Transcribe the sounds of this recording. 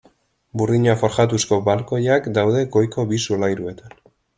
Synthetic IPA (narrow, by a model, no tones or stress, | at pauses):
buriɲafo̞ɾʝat̪usko̞balkojakd̪awðe̞ɡo̞jko̞βisulajɾue̞t̪an